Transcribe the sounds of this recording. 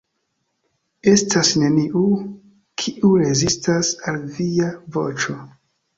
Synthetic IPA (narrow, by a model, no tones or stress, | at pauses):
e̞stasne̞niʔu | kʰiʔuɾe̞zistasalviavo̞̰t͡ʃo̞